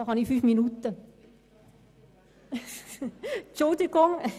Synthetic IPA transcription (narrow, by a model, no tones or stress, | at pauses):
ɑhɑnifyːfminut̪ə | t͡ʃʊld̪iɡʊŋ